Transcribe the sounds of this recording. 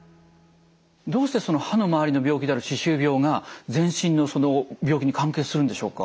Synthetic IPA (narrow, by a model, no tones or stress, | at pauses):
d̪o̞ːɕi̥t̪e̞sono̞hano̞maβaɾʲino̞bʲo̞ːkʲid̪e̞aɾɯɕiɕɨːbʲo̞ːŋazẽ̞ɰ̃ɕĩnːo̞so̞nobʲjo̞ːkʲiɲ̟ikãŋke̞ːsɨɾɯ̟nd̪e̞ɕo̞ːka̰